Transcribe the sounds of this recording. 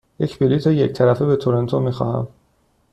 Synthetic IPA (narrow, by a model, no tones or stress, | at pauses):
jecʰbiliːt̪ʰejec̚t̪ʰæɾæfebet̪ʰoɾo̞nt̪ʰomiːxɒ̰hæ̰m